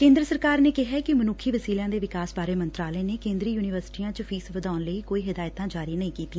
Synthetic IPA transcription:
kẽːnd̪ɾəsəɾkaːɾneːkɪɦɛːkɪmənuːkʰːiːʋəsiːlãːd̪eːʋɪkaːsbaːɾeːmənt̪ɾaːleːneːkẽːnd̪ɾiːjuːnɪʋəɾsɪ̥ʈiːãːt͡ʃəpʰiːsʋəd̪aːʊnləiːkoːiːɦɪd̪aːjt̪ãːd͡ʒaːɾiːnəĩːkiːt̪iː

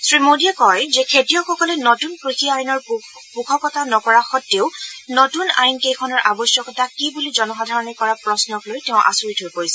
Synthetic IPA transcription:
sɹimodijakɔjzɛkʰetijɔxɔkɔlɛnɔtunkɹixiajnɔɹ | pukʰɔkɔtʰanɔkɔɹaxɔtːeʊnɔtuna̰jnkejkʰɔnɔɹʔabɔsjɔkɔtʰakibulizɔnɔxadʱaɹɔnɛkɔɹapɹɔsnɔklojtɛʊ̃ʔa̰suɹitɦojpoɹisɛ

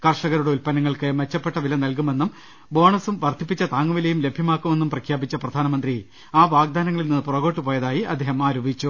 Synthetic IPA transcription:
kɐrʂɐɣɐɾuɽeulpɐnɐŋːɐɭkɨmet͡ɕːɐpːe̞ʈːɐʋilɐnɐlk̬ume̞nːum | bo̞ːɳɐsumʋɐrt̪ʰipːit͡ɕːɐt̪aːŋːuʋilejumle̞bʱjɐmaːkːume̞nːumprɐkʰjaːbit͡ɕːɐprɐd̪ʱaːnɐmɐnd̪ri | aːʋaːɡ̚d̪aːnɐŋːɐɭilninːɨpurɐɣo̞ːʈːupo̞ːjɐðaːjiʔɐ̰d̪ʱːeːɦɐmaːɾoːbʱit͡ɕːu

